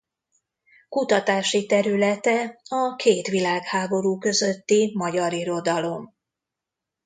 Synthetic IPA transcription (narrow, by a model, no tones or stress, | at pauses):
kut̪ɒt̪aːʃit̪ɛɾylɛt̪ɛɒkʰeːt̪ʋilaːkhaːbo̞ɾuːkø̞zø̞t̪ːimɒɟɒɾiɾo̞d̪ɒlo̞m